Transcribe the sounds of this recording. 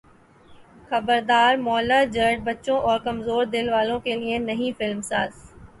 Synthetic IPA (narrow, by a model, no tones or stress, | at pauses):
xɐbəɾd̪aːɾmɔːlad͡ʒəɾʈ̚bɐtːʃõʔɔːɾkɐmzoːɾd̪ɪlʋaːlõkelienɐɦĩfɪlmsaːz